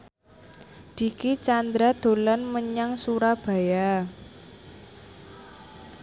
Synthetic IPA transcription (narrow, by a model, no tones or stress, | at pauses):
d̪̥i̤kit͡ʃand̪ɾad̪̥o̤lanməɲaŋsuɾab̥a̤ja